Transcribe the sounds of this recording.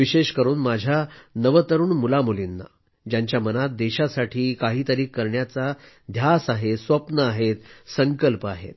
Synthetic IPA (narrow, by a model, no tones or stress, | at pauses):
ʋiɕeɕkəɾuːnmad͡ʑʱjanəʋət̪əɾuːnmulamulinːa̰ | d͡ʑaɲt͡ɕjamənat̪̚d̪eɕasaʈʰiːkaɦiːt̪əɾiːkːəɾɳjat͡sa | d̪ʱjasaɦesʋəpnəaɦet̪səŋkəlpəaɦḛt̪̚